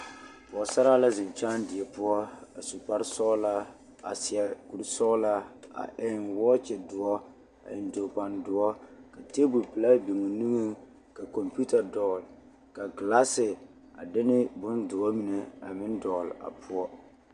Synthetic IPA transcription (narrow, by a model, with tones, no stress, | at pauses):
pʊ˨ɔ˨sa˦ɾa˦la˦zɪ˨nt͡ʃaː˦ndɪ˨ɛ˨pʊ˦ɔ˦a˨su˨pa˦ɾsɔ˦la˦ | a̰˨sɪ˨ɛ˨ku˨ɾsɔ˦la˦a̰˨ʔɪ˦nwɔː˦t͡ʃɛ˨dʊ˨ɔ˦ | a̰˨ɪ˨ndo˨k͡pa˨ndʊ˨ɔ˦ka˨te˦bu˨pɨ˨la˦bi˨ŋo˨nɨ˦ŋɨ˦ | ka˨kɔ˨mpu˦ta˨dɔː˨l | ka˨ɡla˦sɪ˨ | a˨dɪ˦nɪ˦bʊ˦ndʊ˨ɔ˦mi˨nɛ˨a̰˨mɪ˦ndɔː˨la̰˨pʰʊ˦ɔ˦